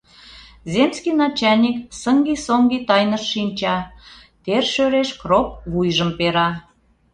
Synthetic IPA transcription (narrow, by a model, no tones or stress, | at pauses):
zʲemskinɑt͡ɕɑnʲiksəŋɡisoŋɡit̪ɑjnəʃːinʲt͡ɕɑ | t̪erʃøɾeʃkrop̚βujʒəmpeɾɑ